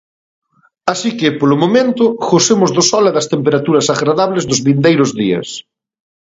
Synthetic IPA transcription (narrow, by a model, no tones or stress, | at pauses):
asikɪpolʊmomẽnt̪ʊxosemʊzðʊsɔlɐðɐst̪empeɾat̪uɾɐsaɣɾaðaβlezðʊzβind̪ejɾʊzðiɐ̰s